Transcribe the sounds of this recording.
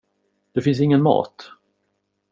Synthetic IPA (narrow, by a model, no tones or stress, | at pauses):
d̪̥ɛfɪns̬ɪŋːənmɑ̰ːt̪